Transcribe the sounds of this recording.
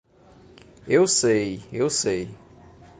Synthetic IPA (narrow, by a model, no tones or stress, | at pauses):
ewsejewsej